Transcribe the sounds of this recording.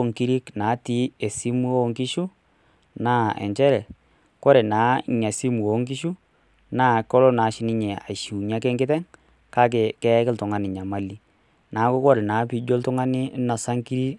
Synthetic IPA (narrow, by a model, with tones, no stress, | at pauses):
o˦ŋki˦ɾi˦knaː˨˦ti˨˦e˨si˦mu˦o˦ŋki˦ʃu˦ | naː˦ɛ̰˨ɲt͡ʃɛ˦ɾɛ˨ | kɔ˦ɾɛ˨naː˨˦ɲa˨si˦mu˨o˨˦ŋk̬i˦ʃu˦ | naː˦˨kɔ˦lɔ˦naː˨˦ʃɪ˦nɪ˦ɲɛ˨a̰˨ʃu˨ɲa˦kɛ˦ŋɡɪ˦tɛ˦ŋ | ka˦k̬ɛ˨kɛ˦kɪ˦ltʊ˨ŋa˦nɪ˨ɲa˨ma˦li˦ | naː˨˦kʊ˦kɔ˦ɾɛ˨naː˨˦pi˨d͡ʒo˦ltʊ˦ŋa˦nɪ˦na˨sa˦ŋki˦ɾi˦